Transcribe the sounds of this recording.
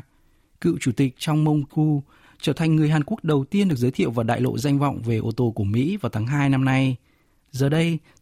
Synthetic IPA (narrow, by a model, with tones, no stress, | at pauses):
kɨ̰˧˨wt͡ɕu˧˩t̪ï˨˩k̟̚t͡ɕɔ˧wŋ͡mmə˧wŋ͡mku˧ | t͡ɕəː˧˩t̪ʰa˨˩ŋ̟ŋɨ˨˩əjɦaː˨˩nku˦˥ək̚ɗə˨˩wt̪i˧ənɗɨ˨˩ək̚zəː˨˦jt̪ʰḭ˧˨wvaː˨˩ɗa̰ː˧˨jlo̰˧˨za˧jŋ̟vɔ̰˧˨wŋ͡mve˨˩ʔo˧t̪o˧ku˧˩əmḭ˧˥vaː˨˩wt̪ʰaː˨˦ŋɦaː˧jna˧mna˧j | zəː˨˩ɗə˧j